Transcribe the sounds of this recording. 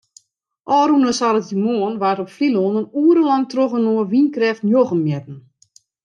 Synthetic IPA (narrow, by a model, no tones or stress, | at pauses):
ʔɔːɾunəsalətimoənʋartɔpfliloːnənuəɾəlantroɣənoəʋinkrɛftnjoɣəmjɛtn̩